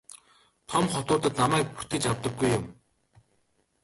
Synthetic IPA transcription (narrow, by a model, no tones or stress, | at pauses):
t̪ʰɔmχɔt̪ʊːt̪ə̆t̪namæːk̚put̪ɘ̆t͡ɕawt̪ə̆ɡːujːʊm